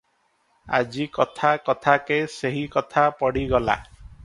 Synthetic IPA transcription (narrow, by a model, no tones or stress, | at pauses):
a̰d͡ʒikɔt̪ʰakɔt̪ʰakeseɦikɔt̪ʰapɔɽiɡɔla̰